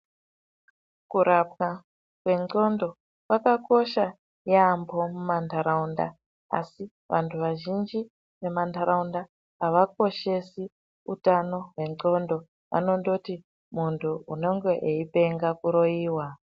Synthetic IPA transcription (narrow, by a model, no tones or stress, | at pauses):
kuɾap̚ka | kwe̞ŋ͡ǃo̞ndo̞ | kwakako̞ʃa | jeambo̞mumandʱaɾaunda̰ | a̰si | ʋʔantʰuʋaʒind͡ʒi | ʋe̞mandaɾaundaː | ʋak̚o̞ʃe̞si | utano̞we̞o̞ndo̞ | a̰no̞ndoti | muntʰuuno̞ŋɡe̞ʔeipe̞ŋɡakuɾo̞iːwa